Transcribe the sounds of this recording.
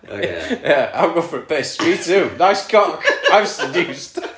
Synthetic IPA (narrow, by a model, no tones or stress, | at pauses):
jæa̰ɪlˠɡoʊfə˞əpʰeɪsɹitʰʉːnaɪskʰɔkaɪvsədjʉˑst